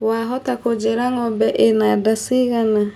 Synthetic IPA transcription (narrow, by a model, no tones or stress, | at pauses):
waɦɔtakod͡ʒeɾaŋɔbɛʔenadasiɣana